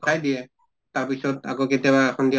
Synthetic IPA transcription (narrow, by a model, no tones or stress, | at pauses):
ajdijɛ | taɹpisɔta̰kɔketjabaɛkʰɔndi